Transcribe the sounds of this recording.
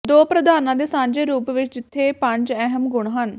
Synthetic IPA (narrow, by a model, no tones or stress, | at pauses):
d̪oːpɾəd̪aːnãːd̪eːsãːɲd͡ʒeːɾuːpʋɪt͡ʃd͡ʒɪt̪ʰːeːpə̃ɲd͡ʒɛɦəmɡʊɽ̃ɦən